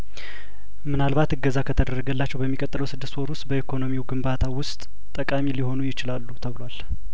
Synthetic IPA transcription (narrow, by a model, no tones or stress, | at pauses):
mɨnalbat̪ɨɡːəzakʰət̪ʰəd̪ərːəɡəlːat͡ʃːɛwbəmːikʼət̪ʼɨləwsɨd̪ːɨst̪wɔɾwʊst̪ʼbəikʰo̞no̞miuɡɨmbat̪ʰawʊst̪ʼ | t̪ʼːəkʼamiliho̞nujɪt͡ʃɪlalːut̪ʰəβɨlwal